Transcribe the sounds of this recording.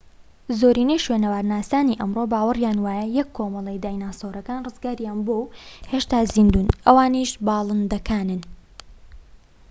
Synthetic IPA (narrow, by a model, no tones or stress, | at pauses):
zoːɾiːnejʃwenɐwaːɾnaːsaːniʔɐmro̞baːwɨrjaːnwaːjɐjɛkʰːoːmɐlˠɛjd̪aːjnaːsoɾɐkaːnrɨzɡaːɾjaːnbowheːʃt̪aːziːnd̪uːnʔɐwaːniʃbɑːlˠɨnd̪ɐkʰaːnɨn